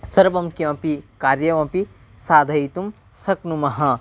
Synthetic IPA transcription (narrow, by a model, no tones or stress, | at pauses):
sɐɾbɐmkiɐ̃pikaːɾjɐʋɐ̃pi | saːd̪ʱɐit̪um | sɐknumɐɦɐ̃